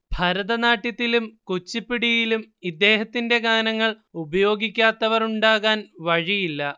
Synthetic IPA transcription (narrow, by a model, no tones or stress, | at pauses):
bʱɐɾɐðɐnaːʈːjit̪ːilumkut͡ɕːipːiɽijilumid̪ːe̞ːhɐt̪ːinde̞ɡaːnɐŋːɐɭ | ubɐjo̞ːɡikʲːaːt̪ːɐʋɐruɳɖaːɣaːnʋɐɻijilːɐ